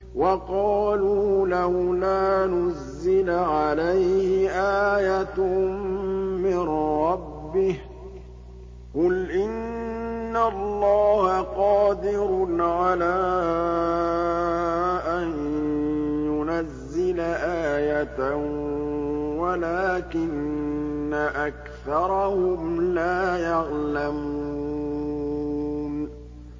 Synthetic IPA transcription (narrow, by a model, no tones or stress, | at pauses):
wɑqɑːluːlahlaːnʊzːɪlaʕalajhhɪʔaːjat̪ | mɪnɾˤɑbːɪh | qʊlʔɪnː | allˤːɑːhaqɑːd̪ɪɾʊʕalaː | ʔan | jʊnazːɪlaʔaːjat̪a | walaːkɪnː | aʔak | θɑɾˤɑhʊmlaːjaɣlamuu | n